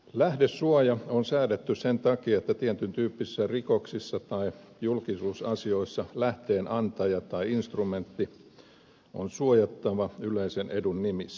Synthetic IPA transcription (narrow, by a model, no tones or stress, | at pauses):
læhdesːuɑjɑonsæːdet̪ːysent̪ɑkiɑet̪ːæt̪ient̪ynt̪yːpːiisːærikoksisːɑt̪ɑijulkisuːsɑsio̞isːɑlæht̪eːnʔɑnt̪ɑjɑt̪ɑiinst̪rument̪ːi | o̰nsuojɑt̪ːɑʋɑyleisenedunnimisːæ̥